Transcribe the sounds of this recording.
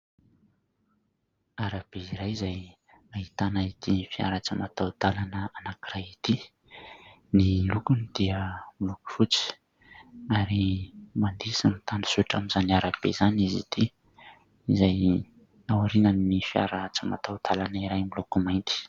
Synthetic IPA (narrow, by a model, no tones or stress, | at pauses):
aɾab̥eiɾajizaj | ait̪anait̪inifia̰ɾat͡simat̪awd̪alanəanakirajit̪i | nilukunid̪̥iəmiluku̥fut͡si̥ | aɾimand̪isimit̪ani̥suiʈ͡ʂaminzaniaɾab̥ḛzanizḭt̪i | izaj | awaɾinanːifia̰ɾat͡sima̰t̪awd̪̥alanəiɾajmilukumajnt̪i̥